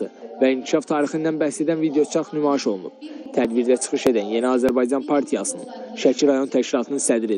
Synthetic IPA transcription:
ɯvæiŋcʰiʃɑft̪ʰɑːɾixind̪ænbæhse̞d̪ænvid̪ejo̞t͡ʃʰɑχnymɑiʃo̞lˠunṵb̥t̪ʰæd̪biɾd̪æt͡ʃʰɯ̥xɯʃe̞d̪ænjenæɑːzæɾbɑjd͡ʒɑnpʰɑɾt̪ʰijɑsɯnɯ̰nʃæcʰiɾɑjo̞nt̪ʰæʃcilˠɑt̪ʰɯnɯnsæd̪ɾi

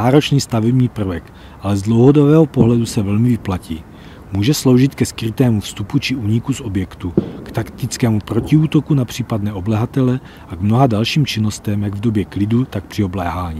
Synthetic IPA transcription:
aːɾo̞t͡ʃniːst̪avɛbɲiːpr̩vɛk | ʔalɛzdlo̞wɦo̞do̞bɛːɦopo̞ɦlɛdusɛvɛlmɪvɪplacḭː | muːʒɛslo̞wʒɪt̪kɛskɾɪt̪ɛːmufst̪uput͡ʃɪʔuːɲɪkuso̞bjɛkt̪ukt̪akt̪ɪt͡skɛːmupɾo̞ciuːt̪o̞kunapr̝̥iːpadnɛʔo̞blɛɦat̪ɛlɛ | ʔaɡmnoɦadalʃiːmt͡ʃɪno̞st̪ɛmjaɡvdo̞bjɛklɪdut̪ak̚pr̥ɪo̞blɛːɦaːɲi

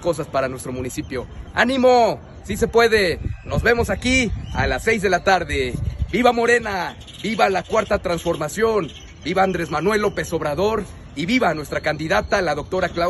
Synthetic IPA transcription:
ko̞s̬aspaɾanwe̞st̪ɾo̞mũnisipjo̞a̰nĩmo̞ | sis̬e̞pwe̞ðe̞no̞zβe̞mo̞sakia̰lasːe̞jzðe̞lat̪aɾðe̞biβamo̞ɾe̞na | biβalakwaɾt̪at̪ɾansfo̞ɾmasjo̞n | biβaːnd̪ɾe̞zmanwe̞lo̞pe̞so̞βɾaðo̞ɾ | iβiβanwe̞st̪ɾakand̪iðat̪alaðo̞k̚t̪o̞ɾakla

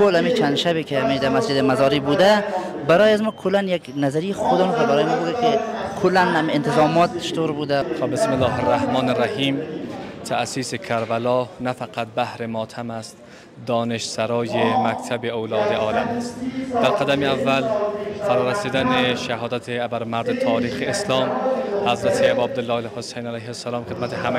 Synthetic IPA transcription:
kolamit͡ʃʰand̪ʃabikʰeamid̪æɾmasd͡ʒɪd̪ɪmazɒːɾibud̪a | baɾɔːjazmɔkʰolːanjaknazaɾijexod̪ɔmkʲebaɾɔːjemɔbuːd̪akʰekʰolːænamiːnt̪ʰɪzɒːmɒt̪̚t͡ʃʰɪ̥t̪ʰoɾbuːd̪axobesmɪlːɒːɦerːahmɒːneɾahiːmt̪ʰasiːsekʰæɾbælɒːnæfæqæt̪̚bæhɾemɒːt̪ʰæmæst̪ | d̪ɒːneʃsæɾɒːjemækt̪ʰæbeowlɒːd̪eɒːlæmæst̪d̪̥æɾqæd̪æmeævːælfæɾɒːɾæsiːd̪æneʃæɦɒːd̪æt̪ʰeæbæɾmæɾd̪et̪ʰɒːɾiːxeːslɒːmhæzɾæt̪ʰeæbːab̚d̪elːɒːelhosejnælæjhesːælɒːmχed̪mæt̪ʰehæm

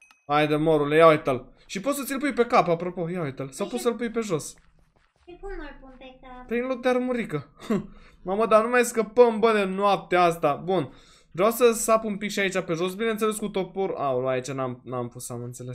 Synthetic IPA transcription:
ajd̪əmoɾulejawet̪əl | ʃipot̪sət̪ilpujpe̞kapapɾo̞po̞jawet̪əlsawpot̪səlpujpe̞ʒo̞s | mulmabunpet̪apɾinluk̚d̪eaɾmuɾikə | maməd̪anumajskəpəmbəd̪enwap̚t̪east̪abun | vɾeawsəsapumpikʃiait͡ʃape̞ʒo̞sbine̞nt̪sele̞s̬kut̪o̞poɾa̰uluait͡ʃanamnampusamɨnt̪se̞le̞s

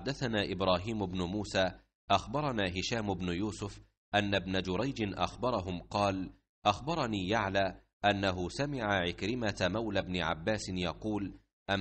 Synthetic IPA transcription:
ħad̪ːaθanaːʔɪbɾˤɑːɦiːmʊbnʊmuːsaː | ʔaxbɑɾˤɑnaːɦɪʃaːmʊbnʊjuːsʊf | ʔanːabnad͡ʒʊɾˤajd͡ʒɪnʔa̰xbɑɾˤɑɦʊmqɑːl | ʔaxbɑɾˤɑniːjaʕlaː | ʔanːaɦʊsamɪʕaʕɪkɾɪmat̪mawlabnɪʕa̰bːaːsɪnjɑquːl | ʔa

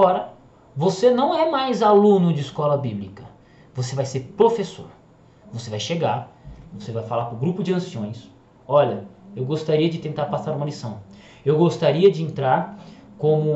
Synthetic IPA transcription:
ɔɾɐ | vosenɐ̃w̃ɛmajzalũnʊd͡ʒɪiskɔlɐbiblikɐ | vosevajseɾpɾofeso̰ɾ | vosevajʃeɡaɾvosevajfalapɾʊ̃ɡɾupʊd͡ʒɪɐ̃siõj̃s | ɔʎɐewɡost̪aɾiɐd͡ʒɪt̪ẽnt̪aɾpasaɾũmɐlisɐ̃w̃ | ewɡost̪aɾiɐd͡ʒɪẽnt̪ɾaɾkõmʊ

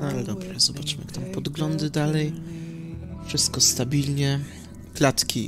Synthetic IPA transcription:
alɛd̪ɔbɾɛzɔbat͡ʂmjakt̪ampɔd̪ɡlɔnd̪ɘd̪alɛj | fʂɘst̪kɔst̪abʲilɲɛ | klat̪kʲi

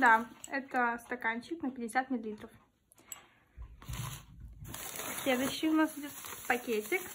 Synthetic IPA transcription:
d̪aɛt̪əst̪ɐkanʲt͡ɕɪknəpʲɪdʲɪsʲat̪̚mʲɪlʲɪlʲit̪ɾəf | sʲlʲed̪ʊɕːɪjʊnasjɪdʲosʲpɐkʲetʲɪk

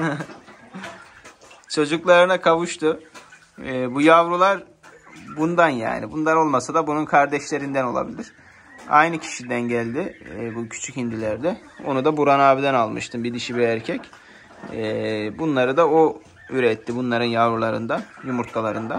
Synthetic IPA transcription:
t͡ʃʰo̞d͡ʒuklˠaɾɯnakʰavuʃt̪ʰʊː | bujavɾulˠaɾ | bund̪anja̰ːnibund̪ano̞lˠmasad̪abununkʰaɾd̪ɛʃlʲe̞ɾind̪æno̞lˠa̰bilʲiɾ̥ | a̰jnɯcʰi̥ʃid̪ænɟælʲd̪ɪbucʰy̥t͡ʃʰychind̪ilʲæɾd̪ɛ | o̞̰nud̪abuɾanaːbid̪ænalˠmɯ̰ʃt̪ʰɯmbid̪iʃibiæɾcʰɛcː | bunlˠaɾɯd̪ao | yɾɛt̪ʰːibunlˠaɾɯnjavɾulˠaɾɯ̰nd̪ajumuɾt̪ʰalˠaɾɯnd̪a

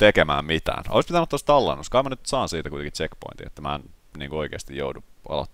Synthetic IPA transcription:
t̪ekemæ̰ːmmit̪æ̰ːno̰ispit̪ænut̪ːost̪ɑlːḛnːoskɑimɑnyt̪sɑːnsiːt̪ækuit̪eŋkit͡ʃekpo̰int̪iḛt̪ːæmæ̰ːnnḭːŋkuoikḛːst̪ijjo̰uduɑ̰lo̰t̪ːˑ

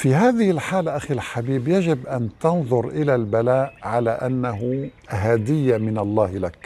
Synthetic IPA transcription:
fiɦaːðɪhɪlħaːlaʔaxilħabiːbjaʒɪbʔant̪ɑnðˤʊɾʔɪlalbalaːʔʕalaʔanːaɦʊ | ɦaːd̪ɪjːamɪnɑlˤːɑːhlak

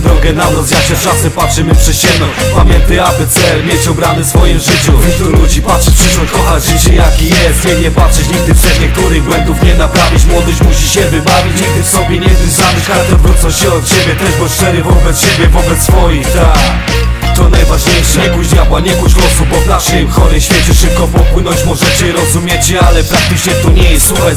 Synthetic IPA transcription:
d̪ɾɔɡɛnabɾɔzjaɕɛft͡ʂasɛpatʂɘmɘpʂɛɕɛmnɔpamʲjɛnt̪ɨabɘt̪sɛlmʲjet͡ɕɔbɾanɨfsfɔjimʐɘt͡ɕut̪ulud͡ʑipatʂɛpʂɛʂwɔkɔxad͡ʑʐɘt͡ɕɛjakʲijɛst̪jɛɲɛpatʂɛt͡ɕɲiɡ̚d̪ɘft̪ɛt̪ɲɛk̚t̪uɾɪɣɡwɛnd̪ufɲɛnapɾavʲit͡ɕmwɔd̪ɪɕmuɕiɕɛvɘbavʲit͡ɕɲiɡ̚d̪ɘfsɔbʲjɛɲɛvʲɘzamɘkaɾt̪ɛvɾut̪sɔɕɛɔt̪ɕebʲjɛt̪ɛʐbɔsʂɛɾɪvɔbɛt̪sɕebʲjɛvɔbɛt̪sfɔjixt̪a | t̪ɔnajvaʐɲejʂɛɲɛkud͡ʑd̪ʲjabwaɲɛkut͡ɕɡwɔsubɔvnaʂɪmxɔɾɨɕfʲjɛt͡ɕɛʂɘp̚kɔpɔpwɘnɔ̃t͡ɕpɔʐɛt͡ɕɪɾɔzumʲjɛt͡ɕɛalɛpɾak̚t̪ɘt͡ʂɲɛt̪ɔɲɛjɛst̪uxa

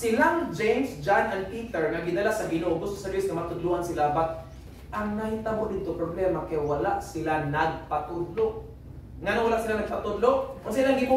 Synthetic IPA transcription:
sɪlaŋd͡ʒejmsd͡ʒanʔanpiːt̪ɛɹŋaɡɪd̪alasɐɡɪnoʔoɡʊst̪o̥sɛɾisŋamat̪ʊd̪lʊʔhansɪlabat̪̚ | ʔaŋnait̪abʊd̪ɪd̪̚t̪opɾoblɛmakajwalaʔsɪlanaɡ̚pat̪ʊd̪loʔ | ŋanowalaʔsɪlanaɡ̚pat̪ʊd̪loʔʊŋsilaŋɡɪbu

